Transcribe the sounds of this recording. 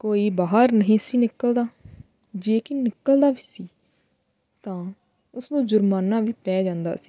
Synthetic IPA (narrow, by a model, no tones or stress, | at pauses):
koːiːbaːɦəɾnəɦĩːsiːnɪkːəld̪aː | d͡ʒeːkiːnɪkːəld̪aːʋiːsiː | t̪ãː | ʊsd̪ũːd͡ʒʊɾmaːnãːʋiːpɛːd͡ʒãːnd̪a̰ːsi̥ː